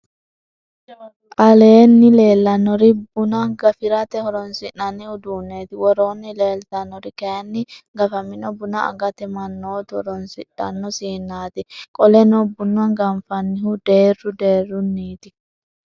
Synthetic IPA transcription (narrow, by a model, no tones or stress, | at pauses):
ʔɐleːnːɪle̞ːlːɐnːɔɾɪbʊnɐɡɐfɪɾɐt̪ɛhɔɾɔnsɪʔːɐnːɛhʊd̪uːnːeːt̪ɪwɔɾoːnːɪleːlt̪ɐnːɔɾɪkenːɪɡɐfɐmɪnɔbʊnɐɐ̰ɡɐt̪ɛmɐnːoːt̪hɔ̰ɾɔnsɪᶑɐ̰nːɔsiːnːaːt̪ɪkʼɔlɛnɔbʊnːʊwɐnɡɐmfɐnːɪhʊd̪e̞ːrʊd̪eːrːʊnːiːt̪ɪ